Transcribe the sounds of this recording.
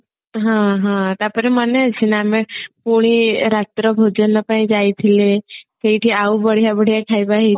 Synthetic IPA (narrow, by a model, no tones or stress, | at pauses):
ɦãɦãt̪apəɾeməneət͡ɕʰinaamekoɽ̃iɾat̪ɾəbʱod͡ʑənːəpaĩd͡ʑajt̪ʰilet̪eiʈʰiːaubəɽ̤jabəɽ̤jakʰajbaɦe